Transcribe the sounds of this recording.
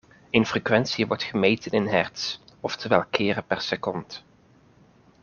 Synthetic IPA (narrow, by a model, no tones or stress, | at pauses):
ejnfrekʋɛnsiəʋɔɹtχəmejtʰənɪnɦɛɹtsɔftəʋɛlˠkʰɪːrəpɛɹsəkɔnt